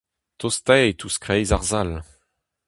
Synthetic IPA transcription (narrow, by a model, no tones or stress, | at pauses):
t̪ost̪ɛet̪ʰuskχejzaʁzal